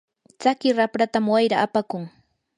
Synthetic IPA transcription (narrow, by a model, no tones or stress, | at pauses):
t͡sakɪɾapɾat̪amwajɾaʔːpakʊŋ